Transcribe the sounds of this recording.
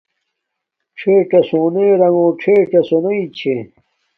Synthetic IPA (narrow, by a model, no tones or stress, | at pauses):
ʈ͡ʂʰeːʈɐsoːneːɾɐŋõːʈ͡ʂʰeːʈ͡ʂɐsonɐit͡ɕʰe